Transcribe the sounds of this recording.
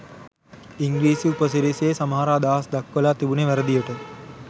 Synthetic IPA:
iŋɡɾiːsiupɐsiɾeseːsɐmɦaːɾaːd̪aːsd̪ɐkːɐlaːt̪ibuneʋɐɾɐd̪ijɐʈɐ

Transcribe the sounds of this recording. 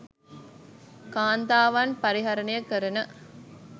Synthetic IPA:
kaːnd̪aːʋaːnpɐɾiɦɐɾɐnɐjɐkəɾɐnə

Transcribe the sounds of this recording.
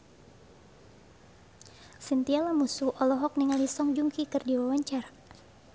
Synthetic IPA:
sint̪ialamusuʔɔlɔɦɔk̚niŋalisɔŋd͡ʒuŋkikɨrdiwawaɲt͡ʃara

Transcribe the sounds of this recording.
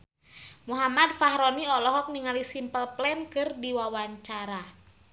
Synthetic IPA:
muɦamad̚fahɾɔniɔlɔɦɔk̚niŋalisimpəlplɛnkɨrdiwawaɲt͡ʃaɾa

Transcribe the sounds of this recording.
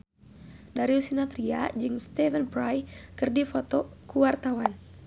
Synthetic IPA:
daɾiusinat̪ɾia̰d͡ʒɨŋst̪ɛvənpɾajkɨrdifɔt̪ɔkuwart̪awan

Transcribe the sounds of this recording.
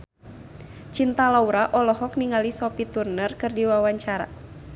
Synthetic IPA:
t͡ʃint̪alauɾaʔɔlɔɦɔkniŋalisɔpit̪urnərkɨrdiwawaɲt͡ʃaɾa̰

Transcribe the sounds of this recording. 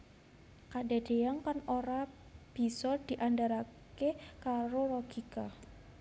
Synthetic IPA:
kadad̥eaŋkanoɾa | b̥i̤sɔd̥i̤ʔandaɾakekaɾoɾɔɡ̥ika

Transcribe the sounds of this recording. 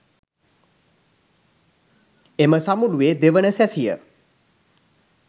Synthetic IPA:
eməsamulued̪eʋənəsæsijə̰

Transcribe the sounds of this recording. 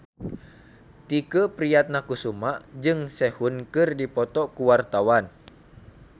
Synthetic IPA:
t̪ikəpɾijat̪̚nakusumaʔd͡ʒɨŋsɛhunkɨrdipɔt̪ɔkuwart̪awan

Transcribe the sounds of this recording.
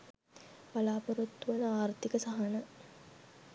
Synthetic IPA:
palaːpəɾut̪ːuʋɐnəaːrt̪ikəsaɦɐnə

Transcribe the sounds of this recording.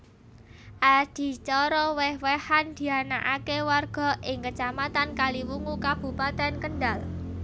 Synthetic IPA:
ʔad̪̥i̤t͡ʃɔɾɔwɛhwɛhand̪̥i̤anaʔakewarɡ̥ɔ̤ʔɪŋkət͡ʃamat̪ankaliwuŋukab̥ṳpat̪ɛnkənɖal

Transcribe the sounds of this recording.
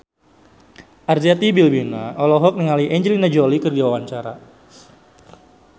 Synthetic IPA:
ʔarziat̪ibilbinaɔlɔɦɔk̚niŋaliʔɛɲd͡ʒəlinad͡ʒɔlikərd͡ʒawawaɲt͡ʃaɾa

